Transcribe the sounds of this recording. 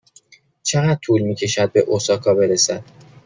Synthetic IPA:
t͡ʃʰeɣæd̪̥̚t̪ʰuːlmiːcʰe̞ʃæd̪̚be̞ʔosɒːkʰɒːbe̞ɾesæd̪̥

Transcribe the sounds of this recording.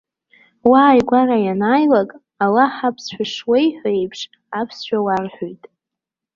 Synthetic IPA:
waːjɡʷarajanaːjlakʼ | alaħapʰsħʷᶣaʂwejħʷᶣaejpʰʂ | apʰsʃᶣawarħᶣojtʼ

